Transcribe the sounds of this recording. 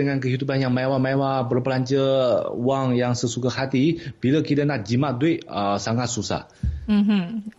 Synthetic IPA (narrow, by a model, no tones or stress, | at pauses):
əŋankəɦidupanjaŋmajwamajwabərpəlaɲt͡ʃəuaŋjaŋsəsukahat̪ib̥iləkid̪anaʔ̚d͡ʒimaʔ̚duɪʔəsaŋat̪̚susa̰h | m̩ɦ̩